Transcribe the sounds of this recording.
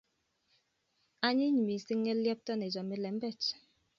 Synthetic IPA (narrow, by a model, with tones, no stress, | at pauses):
a˦ɲi˦ɲi˨mi˨si˦ŋːɛ˦lja˦p̚tɔ˦ne˨d͡ʒɔ˨mi˦lɛ˨m̩˦bɛ˦˨t͡ʃ